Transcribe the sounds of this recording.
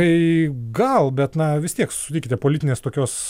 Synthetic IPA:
ɐɪɡɐlˠbʲɛt̪nɐʋʲɪst̪ʲiɛkssʊ̥tʲiːkʲɪt̪ʲɛpoːlʲɪt̪ʲɪnʲeːst̪oːkʲoːs

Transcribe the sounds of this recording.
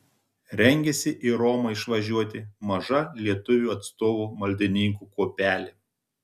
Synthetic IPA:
ɾʲɛŋʲɡʲɛsʲɪʔiːɾɔmɐɪʃʋɐʒʲuɔt̪ʲɪmɐʒɐlʲiɛt̪ʊʋʲuːɐt̪st̪oːʋuːmɐlʲd̪ʲɪnʲɪŋkuːkuːpʲæːlʲeː

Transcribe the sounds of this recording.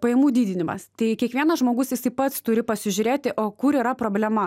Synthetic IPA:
pɐjɛːmuːd̪ʲiːd̪ʲɪnʲɪmɐ̰st̪ɐɪkʲiɛkʋʲiɛnɐsʒmoːɡʊsjɪsɐɪpɐt̪st̪ʊɾʲɪpɐsʲɪʒʲʊɾʲeːt̪ʲɪʔoːkʊɾiːɾɐpɾoːbʲlʲɛmɐ

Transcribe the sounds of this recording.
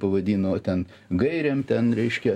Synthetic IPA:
pɐʋɐd̪ʲiːnoːt̪ʲɛn | ɡɐɪɾʲeːmt̪ʲɛnɾʲɛɪʃʲkʲɛ

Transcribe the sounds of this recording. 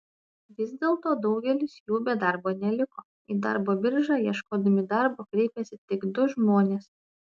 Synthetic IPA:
ʋʲɪzʲd̪ʲeːlˠt̪oːd̪ɒʊɡʲɛlʲɪsjuːbʲɛd̪ɑɾboːnʲɛlʲɪkoː | id̪ɑ̰ɾboːbʲɪɾʒɑːjiɛʃkoːd̪ɐmʲɪd̪ɑɾboːkɾʲɛɪpʲɛsʲɪt̪ʲɪɡd̪ʊʒmoːnʲeːs

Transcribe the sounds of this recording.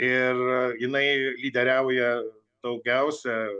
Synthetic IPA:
ɪrjɪnɐɪlʲiːd̪ʲɛɾʲæːʊʊjɛ | d̪̥ɐʊɡʲɛʊsʲɛ

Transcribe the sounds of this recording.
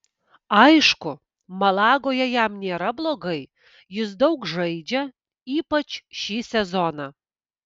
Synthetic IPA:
ɐjʃkʊ | mɐlˠɑːɡoːjɛjɛmnʲeːɾɐblˠoːɡɐɪ | jɪs̬d̪ɐʊkʒɐɪd͡ʒʲɛ | iːpɐt͡ʃʃiːsʲɛzɔnɑː

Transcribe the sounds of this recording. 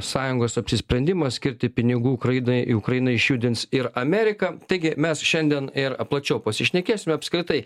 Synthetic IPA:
sɑːjʊŋɡoːsɐpʲsʲɪsʲpʲɾʲɛnʲd̪ʲɪmɐsʲkʲɪɾʲt̪ʲɪpʲɪnʲɪɡuːʊkɾɐjɪnɐɪɪ̰ʊkɾɐɪnɐɪʃʲjuːd̪ʲɪntsɪɾɐmʲæːɾʲɪkɐt̪ɐɪɡʲɪmʲɛsʃʲɛnʲd̪ʲiɛnɪɾɐplˠɐt͡ʃʲɛʊpɐsʲɪʃʲnʲɛkʲeːsʲɪmʲɛɐpʲskɾʲɪt̪ɐɪ

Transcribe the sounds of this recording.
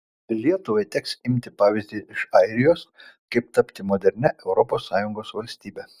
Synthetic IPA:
lʲiɛt̪ʊʋɐɪt̪ʲɛksɪmʲt̪ʲɪpɑːʋʲɪzʲd̪ʲiːɪʃɐɪɾʲɪjoːskɐɪp̚t̪ɐpʲt̪ʲɪmoːd̪ʲɛɾʲnʲɛʔɛʊɾɔpoːsːɑːjʊŋɡoːsʋɐlʲsʲt̪ʲiːbʲɛ

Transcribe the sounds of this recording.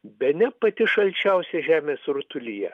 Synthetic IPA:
bʲɛnʲɛpɐt̪ʲɪʃɐlʲt͡ʃʲɛʊsʲɛʒʲæːmʲeːsɾʊt̪ʊlʲijɛ

